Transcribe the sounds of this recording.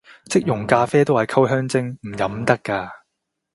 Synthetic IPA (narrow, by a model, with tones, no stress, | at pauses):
t͡sɪ˥k̚jʊ˨˩ŋkaː˧fɛː˥t̪o˥whɐ˨jkʰɐ˥wɦœː˥ŋt͡sɪ˥ŋm̩˨˩jɐ˨˥mt̪ɐ˥kːaː˧